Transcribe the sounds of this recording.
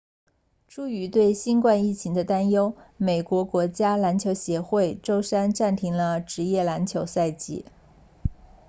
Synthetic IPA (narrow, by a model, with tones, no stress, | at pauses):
ʈ͡ʂu˥˩y˧˥t̪we˥˩ɪɕi˥nkwa˥˧ni˥˩t͡ɕʰi˧˥ŋd̪ə˧t̪a˥njo˥ʊme˨˩ɪkwɔ˧˥kwɔ˧˥t͡ɕja˥la˧˥nt͡ɕʰjo˧˥ʊɕjɛ˧˥xwe˥˩ɪʈ͡ʂo˥ʊʂa˥nʈ͡ʂa˥˩nt̪ʰi˧˥ŋlə˧ʈ͡ʂɻ̩˧˥jɛ˥˩la˧˥nt͡ɕʰjo˧˥ʊsa˥˩ɪt͡ɕḭ˧˥˦